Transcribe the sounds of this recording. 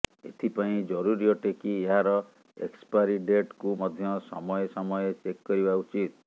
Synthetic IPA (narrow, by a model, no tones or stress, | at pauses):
ḛt̪ʰipaĩd͡ʒɔɾuɾijɔʈekieɦaɾɔ | ḛkspaɾiɖeʈkumɔd̪ʱjɔsɔ̰mɔjesɔmɔjet͡ʃekːɔɾibaut͡ʃit̪̚